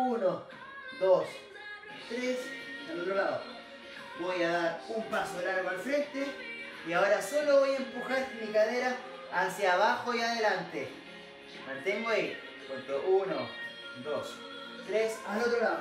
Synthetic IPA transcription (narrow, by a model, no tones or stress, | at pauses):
uno | d̪os | t̪ɾesalot̪ɾolaðo | bojaðaɾumpasoðelanopalfɾe̞nt̪e | iaoɾaso̞loβo̞jaempuxaɾmikaðeɾaː | sjaβaxojaðelant̪e | mant̪emoai | pont̪oʔuno | d̪os | t̪ɾesalot̪ɾolaðo